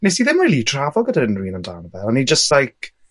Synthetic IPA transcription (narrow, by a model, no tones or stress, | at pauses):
nesiðɪmriːlˠitʰravɔɡədaɾɪnrwiːnənda̰ːnəvɛɔnid͡ʒəstlajk